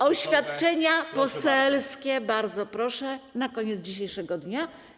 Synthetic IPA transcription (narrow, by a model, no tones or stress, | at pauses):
ɔɕfʲjat̪t͡ʂɛɲapɔsɛlskʲɛbaɾd̪zɔpɾɔʂɛnakɔɲɛt̪zd͡ʑiɕejʂɛɡɔd̪ɲa